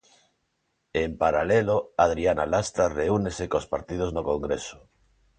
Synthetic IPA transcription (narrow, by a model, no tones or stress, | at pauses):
empaɾaleloað̞ɾianalast̪ɾareunesekospaɾt̪ið̞oznokoŋɡɾeso̥